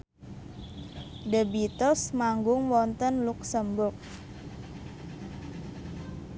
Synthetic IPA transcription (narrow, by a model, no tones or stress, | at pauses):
dəbit̪ɔsmaŋɡʊŋwɔnt̪ənluksəmbʊrk̚